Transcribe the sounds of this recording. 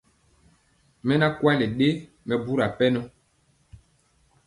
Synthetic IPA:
mɛ˦na˦kwa˦lɛ˨ɗe˦ | mɛ˨bu˦ɾa˨pɛ˦nɔ˦

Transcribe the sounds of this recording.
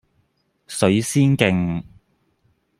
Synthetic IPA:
sɵ˨˧˥ɥsiː˥nkɪ˧ŋ

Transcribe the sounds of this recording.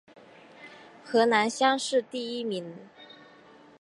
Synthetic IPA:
xɤ˧˥na˧˥nɕjɑ˥ŋʂɻ̩˥˧t̪i˥˩i˥mi˧˥ŋ

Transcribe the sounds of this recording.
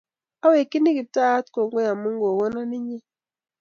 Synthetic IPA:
a˦we˨ki˦ni˦ki˨ta˦tko˨ŋɡo˦ja˨mu˦ŋɡo˨wɔ˦na˦ni˦ɲɛ˦

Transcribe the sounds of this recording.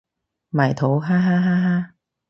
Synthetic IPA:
ma˨˩jt̪ʰo˨˥˦wɦaː˦˥ɦaː˦˥ɦaː˦˥ɦa˦˥

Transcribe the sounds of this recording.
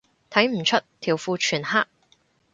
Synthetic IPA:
t̪ʰɐ˨˥jm̩˨˩t͡ʃʰɵ˥tt̪ʰiː˨˩wfuː˧t͡ʃʰyː˨˩nhaː˥k̚

